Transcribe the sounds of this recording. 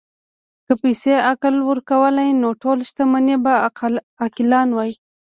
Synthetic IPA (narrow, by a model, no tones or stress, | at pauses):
kəpajseaklwəɾkawəlajnoʈolʃt̪aməneba | akɪlɑnwɑji